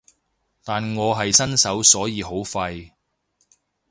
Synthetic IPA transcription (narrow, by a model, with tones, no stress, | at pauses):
t̪aː˨nŋɔː˨˧ɦɐ˨jsɐ˥nsɐ˨˥wsɔː˨˥jiː˨˧ɦo˨˥wfɐ˧j